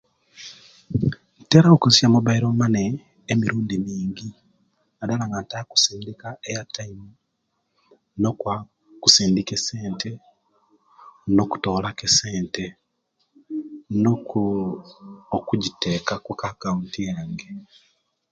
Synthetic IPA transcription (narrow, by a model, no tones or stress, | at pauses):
teɾaokusjamuβaiɾomaneː | miɾuːndimiːŋɡi | adalaŋɡantaːku̥siːndikaejatʰːaimu | nokwa | kusiːndikese̞ːnte | no̞ku̥to̞ːlakeseːnte | no | okuɟiteːkakukakauntijaːŋɡe